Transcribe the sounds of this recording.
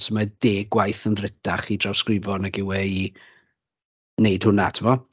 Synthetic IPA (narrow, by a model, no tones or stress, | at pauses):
səmad̥eːɡwajθənrɪdaχidrawskrɪvɔnaɡɪwɛi | nejd̥hʊnatʰɪmɔ